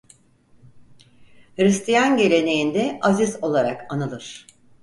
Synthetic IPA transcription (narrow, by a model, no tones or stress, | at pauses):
hɾist̪ijanɟe̞lʲe̞ne̞jind̪ɛʔazizo̞lˠaɾakanɯlˠɯɾ̥